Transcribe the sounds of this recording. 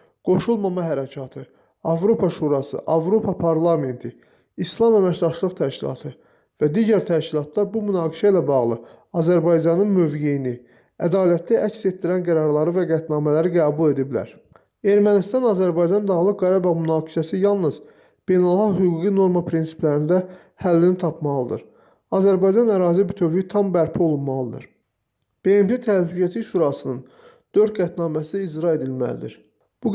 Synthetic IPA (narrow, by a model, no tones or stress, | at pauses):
ɡ̥o̞ʃulˠmɑmɑɦæɾæcʰɑt̪ʰɯ | ɑvɾo̞pʰɑʃuːɾɑsɯ̰ʔɑvɾo̞pʰɑpʰɑɾlˠɑme̞nt̪ʰi | islˠɑmæmæcd̪ɑʃlˠɯʁt̪ʰæʃcilˠɑ̰t̪ʰɯ | væd̪iːɟæɾt̪ʰæʃcilˠɑt̪lˠɑɾbumynɑːɡiʃæilæbɑɣlˠɯ | ɑzæɾbɑjd͡ʒɑnɯnmø̞vɟe̞jini | æd̪ɑːlæt̪̚ːæʔæcse̞t̪̚d̪ːiɾænɡæɾɑɾlˠɑɾɯvæɡæt̪nɑːmælæɾiɡæːbulˠe̞d̪iblæ̰ɾ | e̞ɾmænist̪ɑnɑzæɾbɑjd͡ʒɑnd̪ɑɣlˠɯk̚ɡɑɾɑbɑvmynɑːɡi̥ʃæsijɑlˠnɯz̥ | b̥e̞jnælˠxɑqɦyɡuɡino̞ɾmɑpʰɾinsi̥plæɾind̪æ | hælːinit̪ʰɑpʰmɑlˠɯd̪ɯ̰ɾ | ɑzæɾbɑjd͡ʒɑnæɾɑːzibyt̪ʰøvjit̪ʰɑmbæɾpʰio̞lˠunmɑlˠɯd̪ɯ̰ɾ | b̥e̞emt̪ʰe̞t̪ʰælhycʰæt̪ʰiʃuːɾɑsɯnɯn | d̪̥øɾt̪̚ɡæt̪nɑːmæsiizɾɑed̪ilmæ̰lḭd̪ḭɾ | b̥u